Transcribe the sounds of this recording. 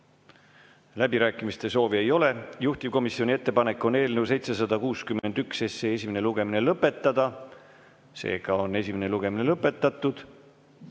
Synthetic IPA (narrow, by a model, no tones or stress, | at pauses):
læbiɾæːkːˑimist̪e̞so̞ːvie̞jo̞le̞juht̪ivko̞misːio̞nʲie̞t̪ːe̞pɑne̞kːˑo̞ne̞ːlne̞wse̞jt̪se̞s̬ɑd̪̥ɑkuːskymːe̞nd̪̥ykse̞sːeːes̬ʲimene̞luɡ̥e̞mine̞lɤpːˑe̞t̪ːˑɑd̪ɑ | se̞̰ːɡ̥ɑo̞nːe̞sʲimene̞luɡ̥e̞mine̞lɤpːˑe̞t̪ːˑɑt̪ːˑud̪̥